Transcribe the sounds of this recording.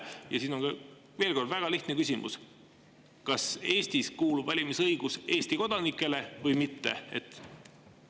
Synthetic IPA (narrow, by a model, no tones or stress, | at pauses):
jɑsiːno̞nkɑ | ve̞ːlko̞rd̪væɡ̥ɑliht̪nekysʲimṵs | kɑse̞ːst̪iskuːlub̥vɑlʲimisɤjɡ̥use̞ːsʲt̪iko̞d̪̥ɑnikːˑe̞le̞vɤjmit̪ːe̞̰ḛt̪ːˑ